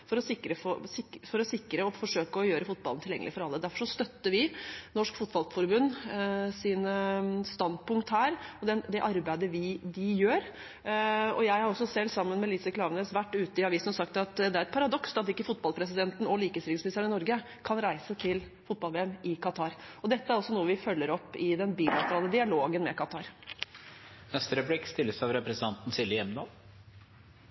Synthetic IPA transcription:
fɔɾɔsɪkːɾəfosɪfɔɾɔsɪkːɾəɔfɔʂøːkəɔjøːɾəfʊt̪̚bɑln̩t̪ʰɪljɛ̰ŋəlɪfɔɾɑlːəd̪æɾfɔʂɔst̪œt̪ːəɾʋɪnɔʂkfʊt̪bɑlt̪fɔɾbʉnːsɪnst̪ɑnd̪̚pʊŋkt̪hæːɾɔd̪ɛnd̪ɛʔɑɾbæɪd̪əʋɪd̪ɪjøːɾ | ɔ̰jæɪhɑɾɔsːɔsɛlːsɑmːənmɛlɪsəklɑːʋnɛːsʋæʈːʉːt̪əɪɑʋiːsənɔsɑkt̪ɑt̪d̪ɛæɾɛt̪̚pʰɑɾɑd̪ɔksɑt̪ɪkːəfʊt̪̚bɑlˠpʰɾɛs̬ɪd̪ɛnt̪n̩ɔliːkəəsɾɪsmɪɪst̪əɳɪnɔɾɡə | kʰɑnɾæɪsət̪ʰɪl | fʊt̪̚bɑlʋeːɛmɪkʰɑt̪ʰɑːɾɔd̪ɛt̪ːəæɾɔsɔnuːəʋɪfœlːəɾɔpːɪd̪ɛnbiːlɑt̪əɾɑːləd̪ɪɑloːɡənmɛkʰɑt̪ʰɑːɾ | nɛst̪əɾəpblɪkːst̪ɪlːəsɑʋɾɛpɾəsnʰɑnt̪n̩sɪlɪɛmnɑ̰l

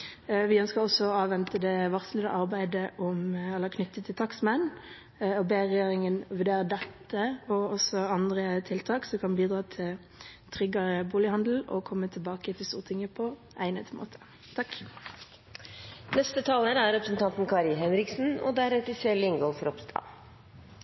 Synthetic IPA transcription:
ʋɪœnskɑʁɔsːɔɔɑːʋɛnt̪əd̪ɛʋɑʁslɪd̪ə̰ʔɑʁbæɪd̪əʔɔmɛlːəkʰnʏt̪ːət̪ʰːɪlt̪ʰɑksmɛn | ɔbeːʁɛjeːʁɪŋənʋʉʁd̪eːʁəd̪ɛt̪ːəɔɔsɔɑnd̪ʁət̪ʰɪlt̪ʰɑːksɔkʰɑnbiːd̪ɾɑːt̪ʰɪl | t̪ʰʁʏɡɑʁəbuːlɪhɑnd̪l̩ɔ̰kʰɔmːət̪ʰɪlbɑːkət̪ʰɪst̪uːʁət̪ʰɪŋəpʰɔ | ʔæɪnɛt̪mo̰ːt̪ʰə̥ | t̪ʰɑk | nɛst̪ət̪ʰɑːləɾæɾɾɛpɾəsn̩t̪ɑnt̪n̩kʰɑːɾɪɦɛnɾɪksn̩ɔ̰d̪æɾɛt̪ɪselɪŋɡɔlfɔɾɔpst̪ʰɑ̰

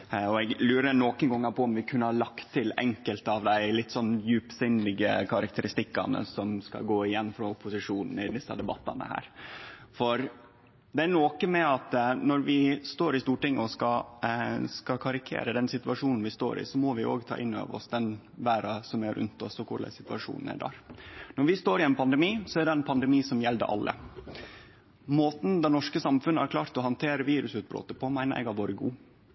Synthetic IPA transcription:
ɔɛɡlʉːɾənokənɡɔŋːɑɾpʰɔɔmʋɪkʰʉnːəhɑɭɑkt̪ʰːɪlɛŋkəlt̪ɑʋd̪æɪlɪt̪ːsɔnːjʉːpsɪnlɪɡəkʰɑɾɑk̚t̪ʰəɾɪst̪ɪkːɑ̰nə̰sɔmskɑ̰ɡoːɪjɛnːfɾɑʊpʰʊsɪʂuːnn̩ɪd̪ɪsːɑ̰d̪ɛbɑt̪ːɑ̰nə̰hæ̰ːɾfɔɾ | d̪ɛænoːkəmɛɑt̪nɔɾʋɪst̪oːɾɪst̪uːʈɪŋːɔskɑ | skɑkʰɑɾɪkʰḛːɾəd̪ɛnsɪt̪ʉʋɑʂuːnn̩ʋɪst̪o̰ːɾɪ̰sɔmɔʋɪʔo̰ːɡt̪ʰɑ̰ːʔɪnːø̰ːʋə̰ɾɔ̰sd̪ɛn | ʋæːɾɑsɔmæɾʉ̰nt̪ɔsɔkʰʊɖæ̰sɪt̪ʉʋɑʂṵːnn̩æ̰ɖæ̰ːɾnɔɾʋɪst̪oːɾɪɛnpʰɑnd̪ɛmiːsɔæɖ̪ɛɛɪnpʰɑnd̪ɛmiːsɔmjɛld̪ə̰ʔɑ̰lːə̰ | moːt̪n̩d̪ɑnɔʂkəsɑmfʉnːəhɑ̰ɾkʰlɑːɾt̪ɔɦɑnt̪ʰeːɾəʋiːɾʉsʉːt̪̚bɾo̰ːt̪əpʰɔmæɪnəɾɛ̰ɡɑɾʋoːɾəɡuː

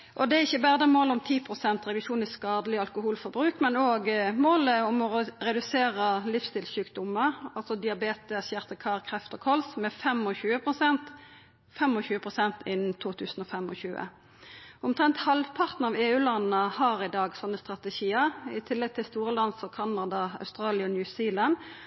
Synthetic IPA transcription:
ʔɔd̪ɛæɾɪçːəbæːʁd̪əmoːlʊmt̪ʰiːpʰʁʊsɛnt̪ʁɛd̪ʉʃuːnɪskɑːd̪əlɪɑlkʊhuːlfɔbɾʉːkmɛnoːɡmoːləʊmɔɾɛd̪ʉseːɾəlɪfst̪ɪːlsʉːkd̪ʊməɑlsɔd̪ɪɑbeːt̪əsjæʁt̪əkʰɑːʁkʰʁɛft̪ɔkʰɔlsmɛfɛmɔçʉːəpʰʁʊsɛnt̪ | fɛmɔçʉːəpʰʁʊsɛnt̪ʰɪnn̩t̪ʰuːt̪ʰʉːsn̩ɔfɛmɔ̰ɕʉːə̰ | ʊmt̪ʰʁɛnt̪hɑlʋpʰɑʁt̪n̩ɑʋeːʉːlɑnnəhɑʁɪd̪ɑːɡsɔnːəst̪ʁɑt̪ɛʃiːəʁɪt̪ʰɪlːɛɡ̚t̪ʰɪlst̪uːʁəlɑnsɔkʰɑnɑd̪ɑɑ̰ʉst̪ʁɑːlɪɔnjʉsiːlɑn

